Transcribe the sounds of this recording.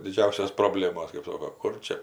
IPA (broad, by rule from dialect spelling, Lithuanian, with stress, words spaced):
dʲɪˈd͡ʒʲɛʊsʲoːs proːˈbʲlʲeːmoːs kɜp ˈsoːkoː ˈkʊr t͡ʃʲɛ